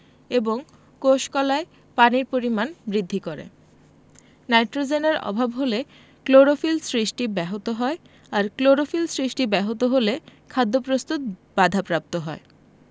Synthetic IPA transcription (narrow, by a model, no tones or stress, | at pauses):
eboŋ | koʃkɔlae | paniɾpoɾimanbɾid̪ʱːikoɾḛ | najʈɾod͡ʑeneɾɔ̰bʱabɦole | kloɾofilsɾiʃʈibɛɦot̪oɦɔe | aɾkloɾofilsɾiʃʈibɛɦot̪oɦolekʰad̪ʱːopɾost̪ut̪̚b̥ad̪ʱapɾap̚t̪oɦɔe